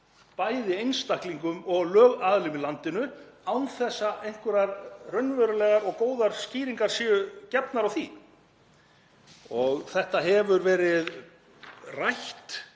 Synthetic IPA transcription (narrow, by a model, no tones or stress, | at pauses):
paːjðɪejnst̪ahkliŋkʏmɔɣlœːɣaðlɪmɪlant̪ɪnʏawnθɛsːaʔejŋ̥kʏɾaɾrœɥnvœɾʏlɛɣaɾɔɣkoːwðaɾ̥sciːɾiŋkaɾ̥siːʏcɛpnaɾawθi | ɔɣθɛht̪aɦɛvʏɾvɛːɾɪð | rajht̪